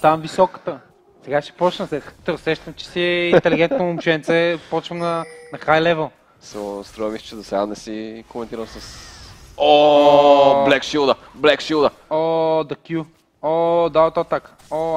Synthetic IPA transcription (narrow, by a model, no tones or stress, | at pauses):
t̪amvisɔkə̥t̪ə | sɛɡaʃɛ̥pɔt͡ʃnəmsɛt̪t̪əsɛʃt̪əmt͡ʃɛ̥siɛit̪ɛliɡɛnt̪noʊmʃɛnt̪sɛpɔt͡ʃvɐmnɐnɐxajlɛvəlˠ | sɛst̪ɾɔɐmist͡ʃɛd̪osɛɡanɛsikomɛ̃nt̪iɾəlsɐs | o | blɛkʃilˠd̪ə | blɛkʃilˠd̪ə | od̪ɐkʲju | od̪aot̪at̪ak | o